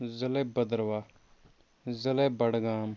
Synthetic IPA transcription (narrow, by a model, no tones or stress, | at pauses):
zəleːbəd̪əɾʋaː | zəleːbəɽɡaːm